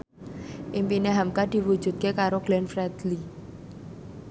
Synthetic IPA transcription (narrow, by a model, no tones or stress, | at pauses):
ʔimpineɦamkad̪̥i̤wu̥ʒ̥ṳt̪̚kekaɾoɡ̥lɛnfɾɛd̪̥li